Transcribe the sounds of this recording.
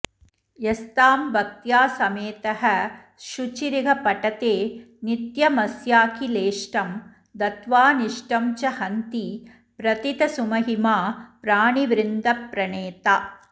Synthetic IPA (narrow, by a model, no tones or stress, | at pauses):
jest̪aːmbɐk̚t̪jaːsɐmeːt̪ɐɦɐ | ʃut͡ʃiɾiɡɐpɐʈɐt̪eː | nit̪jɐmɐsjaːkileːʂʈɐm | d̪ɐt̪ʋaːniʂʈɐmt͡ʃɐhɐnt̪i | pɾɐt̪it̪ɐsumɐɦimaːpɾaːɳiʋɾɪnd̪ɐpɾɐɳeːt̪aː